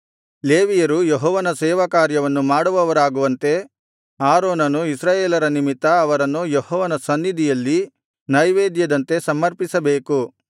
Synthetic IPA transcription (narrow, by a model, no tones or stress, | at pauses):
leːʋijɐɾujeɦɔːʋɐnɐsɛːʋɐkaːɾjɐʋɐnːumaːɽuʋɐʋɐɾaːɡuʋɐnt̪e̞ | aːɾoːnɐnuisɾaːjeːlɐɾɐnimit̪ːɐːʋɐɾɐnːujehɔːʋɐnɐsɐnːid̪ijɐlːi | nɐjʋeːd̪jɐd̪ɐnt̪e̞sɐmːɐɾpisɐbe̞ːku